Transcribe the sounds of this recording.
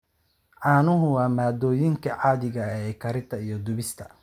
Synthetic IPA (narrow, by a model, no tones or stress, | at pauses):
ʕɑːnʊɦʊwɑːmaːd̪ɔːjɪŋkʰɐʕaːðɪɣɐɛːkʰɐɾɪt̪ʰɐijɔd̪ʊβɪst̪ʰɐ